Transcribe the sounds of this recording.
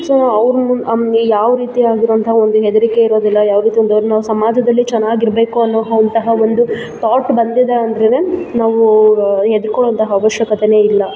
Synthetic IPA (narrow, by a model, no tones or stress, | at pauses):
soːɐʋɾmujaːʋɾiːt̪iaːɡiɾoʋɐnt̪ɐɦɐo̞nd̪uɦed̪ɐɾike̞iɾo̞ːd̪ilːɐjaːʋɾiːt̪iond̪ɐʋɾnaːʋusɐmaːd͡ʒʱɐd̪ɐlːit͡ʃɛnːaːɡiɾbe̞ːkuɐnːoːɦɐnt̪ɐɦɐo̞nd̪u | t̪aːʈbɐnd̪id̪eɐnd̪ɾeneːnaːʋuɦed̪uɾkɔɭoɐnt̪ɐɦɐːʋɐʃjɐkɐt̪ene̞ːilːɐ